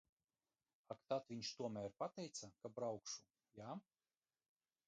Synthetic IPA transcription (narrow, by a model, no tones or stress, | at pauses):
akt̪at̪vʲiɲʃt̪uɔmæɾpat̪ɛjt̪sakabɾawkʃu | ja